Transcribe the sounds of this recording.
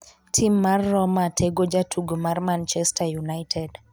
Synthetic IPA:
tʰimːarːɔmatʰeɡod͡ʒatʰuɡomarmant͡ʃɛstajunajtʰɛd

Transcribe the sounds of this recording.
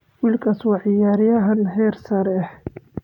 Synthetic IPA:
wiːlkʰɐswɑʕɪjaːɾɪjɐɦɐnɦɛrsɐɾɛh

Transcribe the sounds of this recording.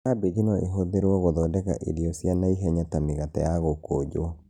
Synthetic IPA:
abed͡ʒinɔḛɦoðeɾwɔɣoðɔːdɛka̰ʔḛɾiɔsjanaiɦɛɲatamiɣatajaɣokod͡ʒoɔ

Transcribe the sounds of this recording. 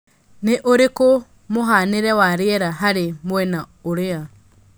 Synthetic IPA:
neʔoɾeko | moɦaneɾɛwaɾeɛɾaɦaɾemwɛna | oɾea

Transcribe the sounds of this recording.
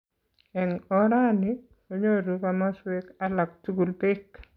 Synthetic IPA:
ɛŋɔɾanɪ | oɲoɾukamaswekalak̚tuɡulbɪk

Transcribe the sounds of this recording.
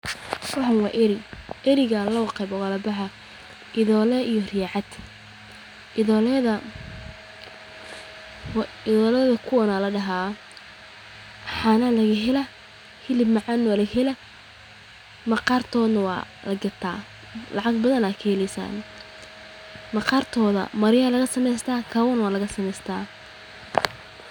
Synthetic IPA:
wɑħʊnwɑːʔɪɾɪʔɛɾɪɣɐlɔqɛjbɔwɑːlɐbɑħɐ | ʔɪðɔːlɛʔijɔrɪjaʕɑd̪ | ɪlɛðɐ | ɪðɔːlɛðɐkʰʊwɐnaːlɐɖɐɦaː | ħanɐlɐɣɐɦɛlɐ | hɪlɪbmɑʕɑnːwalɐɣhɛlɐ | mɐqɑrt̪ʰɔːðnɐwɑ̰ːlɐɡɐrt̪ʰa̰ː | lɑʕɑɡbɐðɐnaːkʰɐhɛlɛjsa̰ːn | mɐqɑrt̪ʰɔːðɐ̰mɐɾɪjɐːlɐɣɐsɐmɛjst̪ʰaːkʰaːwɐnwaːlɐɣɐsɐmɛjst̪ʰaː

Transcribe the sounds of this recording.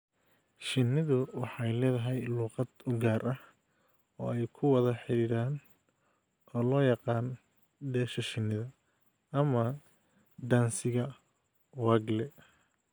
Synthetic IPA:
ʃɪnːɪðʊwɑħɑjlɛːðɐɦɛjluːqɑd̪ʊɡaːrʔɐh | ɔ̰ːɛjkʰʊwɑðɐħɪɾiːɾaːn | ʔɔːlɔːjɑqɑːn | ɖɛːʃɐʃɪnːɪðɐ | ɐmɐ | ɖ̪aːnsɪɣɐ | waːɡlɛ

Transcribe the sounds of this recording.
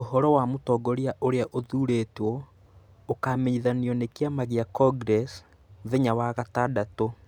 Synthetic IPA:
ohɔɾɔwamotɔːɡɔɾiaʔoɾeaʔoðuːɾeːtwɔ | okaːmeɲiðaniɔnekeamaɣiakɔɡɾɛs | ðeɲawaɣatadato

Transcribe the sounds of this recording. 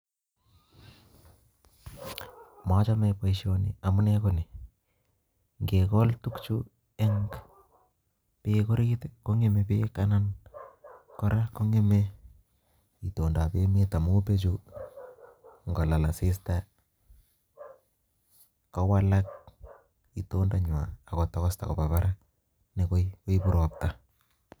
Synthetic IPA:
mat͡ʃamɛpajʃonɪ̰amunekonɪ | ŋɡekɔltukt͡ʃu | ɛŋk | pekoɾitekoŋemepeːkanan | kɔɾʔakoŋeme | itondapemetamupet͡ʃu | ŋɡɔlalasɪsta | kawalak̚ | itondaɲwa̰ːkɔtɔkɔsta̰ko̰baβaɾa | nekoikoipuɾop̚ta

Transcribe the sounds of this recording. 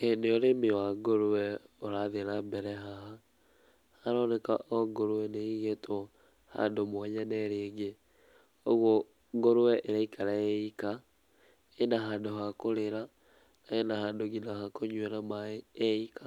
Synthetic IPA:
eneoɾemiwaɡoɾuwɛoɾaðeɾambɛɾɛɦaɦa | aɾɔneka̰ʔoɡoɾuwɛneiɣetʰo | ha̰ndomwɔɲanɛɾeːŋɡe | oɣo | ɡoɾuwɛʔeɾaikʰaɾaeika | enaɦandoɦakoɾeɾa | aenahaːndoɡinahakoɲweɾamaeikʰa

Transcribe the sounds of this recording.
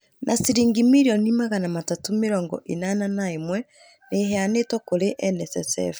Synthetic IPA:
nʔasiɾiːŋɡimiɾiɔnimaɣanamatatomeɾɔːŋɡɔ̰ʔenananaemwɛ | neɦɛanetwɔkoɾeʔɛnɛsɛsɛ̰f

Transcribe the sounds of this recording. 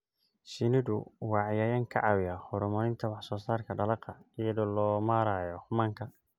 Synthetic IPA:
ʃɪnɪðʊwɑːʕjaːjɐŋkʰɐ̰ʕɑwɪjaχʊɾʊmɔlɪnt̪ʰɐwɑħsɔːsaːrkʰɐɖɐlɑqɐijɐðɔlɔːmaːɾaːjɔmaːŋkʰɐ

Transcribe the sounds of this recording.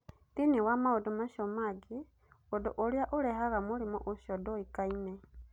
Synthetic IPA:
tinewamaodomaʃɔmaɡe | odoʔoɾeaʔoɾɛɦaɣamoɾemɔ̰ʔoʃjɔdoikainɛ

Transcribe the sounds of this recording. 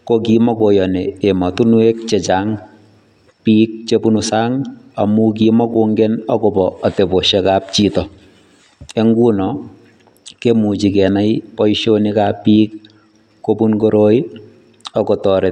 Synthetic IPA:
kokimɔkojɔneːmɔtunwek̚t͡ʃet͡ʃaːŋ | piːk̚t͡ʃepunusaːŋ | a̰muk̬imɔkoːŋɡɛnɔkobɔːtepoʃɛkaːp̚t͡ʃiːtɔ | eŋɡunɔ | kemut͡ʃikɛnajpɔiʃonikapiːkː | opunkoɾoːi | ɔkɔtɔɾet

